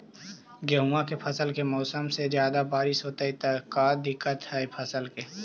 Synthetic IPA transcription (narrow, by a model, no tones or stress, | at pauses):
ɡɐɦuakepʰɐsəlkemɔːsəmsed͡ʒjaːd̪abaːɾɪsɦoːt̪aɦit̪akaːd̪ɪkːət̪ɦɛpʰəsəlke